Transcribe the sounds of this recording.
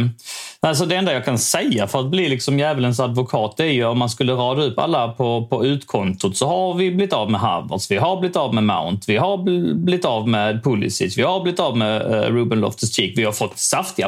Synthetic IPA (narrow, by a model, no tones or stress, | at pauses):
næs̬ɔd̪ɛɛnd̪ajɑːkʰansɛjːafœɾat̪̚blɪlɪksɔmjæːvələns̬ad̪vʊkʰɑːt̪̚æɾjɵɔmːanskɵlːəɾɑːd̪aɵpːa̰lːapʰɔpʰɔʉ̟ːt̪kʰɔnt̪ʊt̪sɔɦaɾvɪblɪt̪ːɑːvmɛɦa̰və̰ɾsvɪɦaɾblɪt̪ːɑːvmɛma̰ʊnt̪vɪɦaɾblɪt̪ːɑːvmɛd̪̚pʰʊlːɪ̰sɪ̰svɪhaɾblɪt̪ːɑːvmɛɾuːbənlɔ̰ft̪ʰəst̪iːkvɪhaɾfɔt̪ːsaft̪ɪɡa